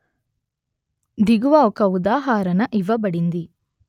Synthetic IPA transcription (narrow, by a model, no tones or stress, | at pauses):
d̪iɡuʋaːɔkɐud̪aːɦaːɾɐnɐʔiʋɐbɐɽind̪i